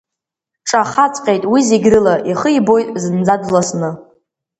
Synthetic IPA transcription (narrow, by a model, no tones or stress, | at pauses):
ʈ͡ʂʼaχat͡sʼqʲʼejtʼwizeɡʲrɨlaʔiχəibo̞jtʼzɨnd͡zadlasnɨ